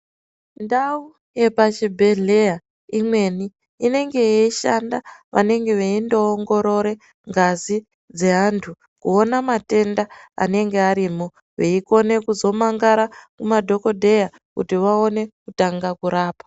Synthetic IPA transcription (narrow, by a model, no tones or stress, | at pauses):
ndau | je̞pat͡ʃibʱe̞ɮe̞ja | imwe̞ni | ine̞ŋɡe̞jeiʃa̰nda̰ʋa̰ne̞ŋɡe̞ʋeindo̞ːŋɡo̞ɾo̞ɾe̞ | ŋɡazi | d͡ze̞ɦantʰu | kuo̞namate̞ndaa̰ne̞ŋɡe̞aɾiːmo | ʋeiko̞ne̞kuzo̞maŋɡaɾakumadʱo̞ko̞dʱe̞ja | kutiʋao̞ne̞kutaŋɡakuɾaːpḁ